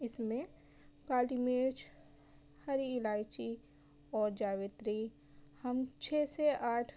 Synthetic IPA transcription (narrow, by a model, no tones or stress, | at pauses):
ɪsmẽ | kaːlimeːɾt͡ʃ | həɾiːlaːɪt͡ʃi | ɔːɾd͡ʒaːwɪt̪ɾi | həmt͡ʃʰeːseʔaːʈʰ